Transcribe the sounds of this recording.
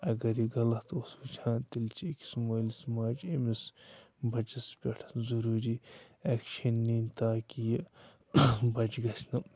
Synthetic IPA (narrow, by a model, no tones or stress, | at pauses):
ɐɡɐɾiɡɐlɐt̪ʰoswut͡ʃʰãːt̪ilt͡ʃiiki̥smoːlismaːd͡ʒemisbɐt͡ʃɐspʲeʈʰzuɾuːɾiɛːkʃɐnːiːnt̪aːkijɐ | bɐt͡ʃɡɐsʰnɐ